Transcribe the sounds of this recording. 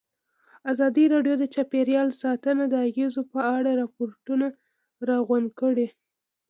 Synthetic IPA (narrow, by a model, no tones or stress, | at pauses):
azɑd̪iɾɑɖjod̪ət͡ʃapeɾjɑlsɑt̪ənad̪əaɣezopəaɽaɾɑpoɾʈuna | ɾɑɣand̪kəɽe